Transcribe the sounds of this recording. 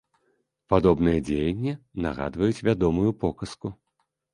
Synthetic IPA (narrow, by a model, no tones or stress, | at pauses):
pad̪ɔbnɨjɐd͡zʲejɐnʲːina̰ɣa̰d̪vɐjut͡sʲvʲad̪ɔmujupɔkɐsku